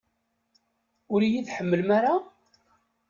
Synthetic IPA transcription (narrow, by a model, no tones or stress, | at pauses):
ʊɾijiθħəmːəlmaɾa